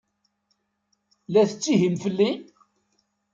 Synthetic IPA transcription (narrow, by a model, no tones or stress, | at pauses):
læθət͡sːiɦimfəlːi